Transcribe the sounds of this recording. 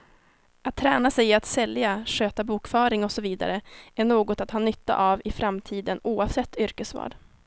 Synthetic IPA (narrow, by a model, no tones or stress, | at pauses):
at̪ʰːɾæːnasɛjat̪sɛljaʂøːt̪abuːkfœːɾɪŋɔsɔviːd̪a̰ɾəæɳoːɡɔt̪at̪hɑːnʏt̪ːa̰ʔavɪfɾamt̪ʰiːd̪ənuːavsɛt̪ʰːʏɾkəsvɑ̰ːɖ